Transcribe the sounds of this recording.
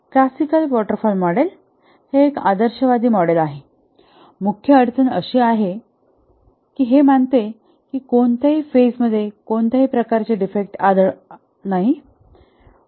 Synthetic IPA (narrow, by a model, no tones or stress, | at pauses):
klasikəlʋɔʈəɾfɔlmɔɽel | heːka̰d̪əɾɕəʋad̪iːmɔɽelaɦe | mukʰjəəɾt͡sənəɕiːaɦe | kiːɦeməɳt̪e | kiːkoɳt̪aɦiːfesməd̪ʱːjekont̪aɦipɾəkaɾt͡ɕeɖifek̚ʈad̪əɭ | naɦi